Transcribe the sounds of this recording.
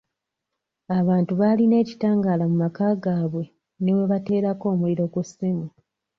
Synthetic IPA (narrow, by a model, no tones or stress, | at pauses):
aβaːntuβaline̞ːci̥taːŋɡaːlamumakaːɡaːβwe̞ | newe̞βate̞ːɾako̞ːmuliɾo̞ɡusimu